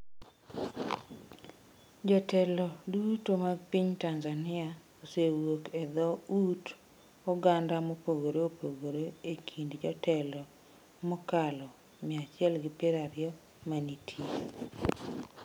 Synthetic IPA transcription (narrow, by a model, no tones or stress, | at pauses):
d͡ʒɔtɛlɔdutomaɡpiɲtanzanɪa | osewokɛd̪ɔut | ɔɡandamɔpoɡoɾoopoɡoɾoekʰindd͡ʒɔtʰɛlɔ | mɔkalɔ | mɪat͡ʃɪɛlɡɪpɪɾaɾɪjɔ | manitʰi